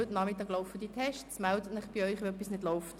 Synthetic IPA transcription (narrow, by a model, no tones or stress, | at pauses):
øtnɑːmit̪ɑːɡlɔʊfəd̪itʰɛʃtsmɛldətnɪχb̥iœʏχʋeœpisnɪd̥lɔʊft